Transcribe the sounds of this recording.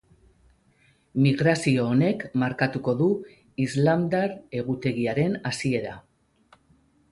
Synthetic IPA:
miɣɾasio̞ːne̞kmaɾkat̪uko̞ðu | izlamd̪aɾe̞ɣ̞ut̪e̞ɣiaɾe̞nasie̞ɾa

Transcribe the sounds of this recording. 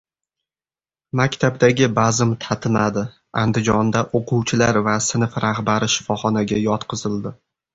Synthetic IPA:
makʲt̪ʰab̚d̪aɡʲɪbazɪmt̪ʰat̪ʰɪmad̪ɪ | and̪ɪd͡ʒɒnd̪aʔoqʰʊwt͡ʃʰɪlaɾvasɪnɪfɾaχbaɾɪʃɪ̥fɒχɒnaɡʲajɒt̪qʰɨzɪld̪ɪ

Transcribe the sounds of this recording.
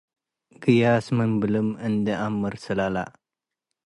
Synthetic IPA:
ɡ̥ɨjasmɨmbɨlɨmɨnd̪əʔamːɨɾsɨlala̰

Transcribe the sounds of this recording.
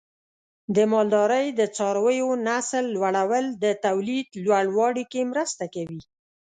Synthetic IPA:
d̪əmɑld̪ɑɾəjd̪ət͡sɑɾawəjonaslːwaɽawəld̪ət̪awlid̪lwaɽwɑɽikemɾəst̪akawi

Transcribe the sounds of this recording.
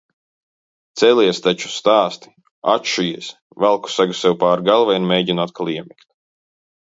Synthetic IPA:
t̪sɛliɛst̪at͡ʃu̥st̪aːst̪i̥ | a̰t̪ʃujiɛs | valˠku̥saɡusɛwpaːɾɡalˠvaiɾmʲejɟinat̪̚kʰalˠiɛmikt̪̚

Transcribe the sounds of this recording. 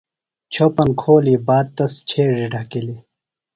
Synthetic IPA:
t͡ɕʰopɐnkʰoːlibaːd̪̚t̪ɐst͡ɕʰeːʐiɖʱɐkili

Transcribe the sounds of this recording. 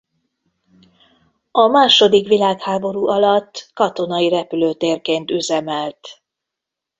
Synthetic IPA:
ɒmaːʃo̞d̪ikʋilaːkhaːbo̞ɾuːʔɒlɒt̪ːkɒt̪o̞nɒiɾɛpyløːt̪eːrkeːnt̪yzɛmɛlt̪

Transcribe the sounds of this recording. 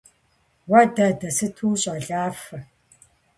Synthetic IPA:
wɐdɐdɐsɨtʰuːɕʼɐɮaːfɐ

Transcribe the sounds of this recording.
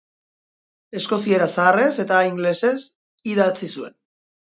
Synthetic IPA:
e̞sko̞sie̞ɾasaːre̞se̞t̪aiŋɡle̞se̞s | iðat͡sisue̞̰n

